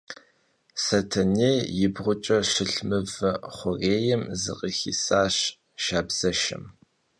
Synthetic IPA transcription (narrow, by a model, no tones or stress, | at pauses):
sɐtʰɐneːjɪbʁʷʊt͡ʃʼɐʃɪɬmɨvɐχʷʊreːjɛmzɨ̰qʼixḭːsaːɕ | ʃaːbz̥ɐʃɪ̰m